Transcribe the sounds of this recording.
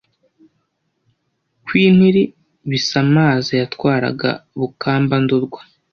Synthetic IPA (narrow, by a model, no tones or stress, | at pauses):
kwiːn̥hiɾi | βisamaːzijatkwaːɾa̰ɡa̰βukaːmbanduɾɡwḁ